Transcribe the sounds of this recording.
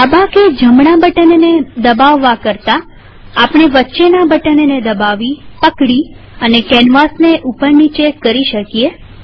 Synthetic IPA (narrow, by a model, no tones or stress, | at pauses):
abãked͡ʒəmɳabəʈənened̪əbaʋːakəɾt̪aː | pɽ̃eʋətːʃenabəʈənened̪əbaʋipəkɽi | ənekɛnʋasneʔupəɾnit͡ʃekːəɾiʃəkie